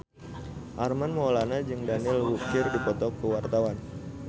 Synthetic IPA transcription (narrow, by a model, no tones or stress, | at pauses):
ʔarmanmɔlanad͡ʒɨŋdanɪlwukɪrdipɔt̪ɔkːəwart̪awan